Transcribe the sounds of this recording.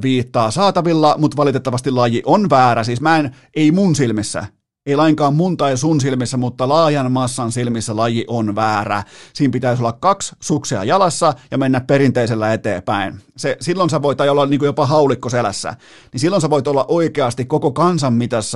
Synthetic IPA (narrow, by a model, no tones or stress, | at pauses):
ʋiːt̪ːɑːsɑːt̪ɑʋilːɑmut̪ʋɑlit̪et̪ːɑʋɑst̪ilɑjiʔonʋæːɾæsiːsmæen | eimunsilmisːæ̰ | eilɑiŋkɑːmmunt̪ɑisunsilmisːæmut̪ːɑlɑːjɑnmɑsːɑnsilmisːælɑjiʔonʋæːræ̰siːmpit̪æisolːɑkkɑkssukseɑ̰jɑlɑsːɑjɑmenːæpperint̪eiselːæet̪ḛːpæinsesilːonseʋoit̪ɑjɑolːɑniːŋkujopɑɦɑulikːoselæ̰sːæ̰ | ninsilːonseʋoit̪olːɑ̰ʔoikeɑst̪ikkokokɑnsɑmmit̪æsː